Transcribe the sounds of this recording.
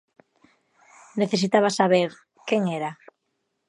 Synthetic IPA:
neθesit̪aβasaβeɾ | keŋeɾa

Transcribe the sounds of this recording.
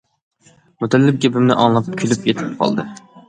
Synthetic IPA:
mut̪ʰɛlːɪp̚ɡʲepɪmnɪ̰ʔɑ̰ŋlˠɑp̚kʲʰylypjɛt̪ʰɪp̚qʰɑ̰lˠd̪ɨ

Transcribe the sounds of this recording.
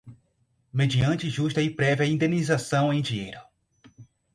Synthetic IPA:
med͡ʒiɐ̃nt͡ʃɪʒuʃt̪ɐipɾɛviɐĩnd̪enizasɐ̃w̃ẽj̃d͡ʒiejɾʊ

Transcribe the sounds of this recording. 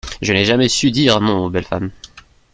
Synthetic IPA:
ʒənɛʒamɛsyd̪iʁnɔ̃bɛlfa̰m

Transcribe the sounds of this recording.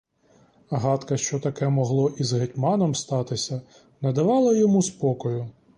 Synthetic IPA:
ɦɑt̪kɐʃt͡ʃɔt̪ɐkɛmɔɦlˠɔʔizɦetʲmɑnɔmst̪ɑt̪ɪsʲɐ | nɐd̪ɐʋɑlˠɐjɔmuspɔkɔjʊ

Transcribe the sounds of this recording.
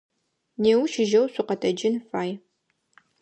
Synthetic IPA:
neːwʃɪʒɐwsʷʊqɐtʰɐd͡ʒɪnfaːj

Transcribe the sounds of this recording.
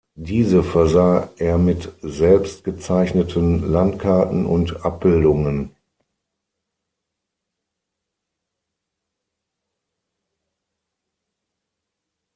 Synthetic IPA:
diːzəfɛɐzaːʔeːɐmɪtzɛlpst̚ɡ̥ət͡saɪçnətʰənlantkʰaɐtn̩ʔʊ̰ntʔap̚b̥ɪldʊŋən

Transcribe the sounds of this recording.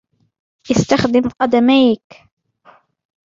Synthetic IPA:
ʔɪst̪axd̪ɪmqɑd̪amaːk

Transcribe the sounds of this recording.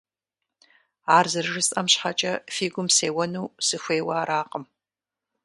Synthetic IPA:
aːrzɨrʒɨsʼɐmɕħat͡ʃʼɐfiːɡʷʊmseːwɐnuːsɨxʷeːwɐːɾaːqəm

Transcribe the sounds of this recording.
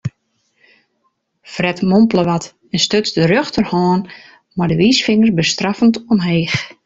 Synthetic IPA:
frɛtmompləʋat | ɛnstøt͡sdəɾøxtʰərhɔːn | mardəʋiːsfɪŋərbəstrafəntonɦeːx

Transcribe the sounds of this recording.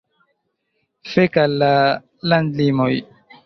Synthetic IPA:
fekalːa | landlimoj

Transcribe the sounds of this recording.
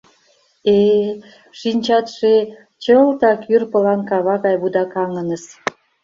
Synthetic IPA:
e | ʃinʲt͡ɕɑt̪ʃe | t͡ɕəlt̪ɑkyrpə̆lɑnkɑβɑɣɑjβud̪ɑkɑŋənəs

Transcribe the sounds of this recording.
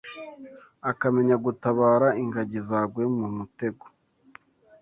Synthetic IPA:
akame̞ɲaɡutaβaːɾaiŋɡaɟizaɡwemumute̞ɡo̥

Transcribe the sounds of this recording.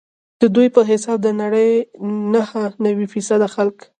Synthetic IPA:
d̪̥əd̪ujpəɦɪsɑb̚d̪ənaɽəjnahənawifisad̪axalk

